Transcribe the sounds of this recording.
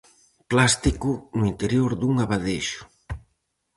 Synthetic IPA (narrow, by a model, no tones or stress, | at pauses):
plast̪ikʊnʊint̪eɾjoɾd̪uŋaβaðeʃʊ̥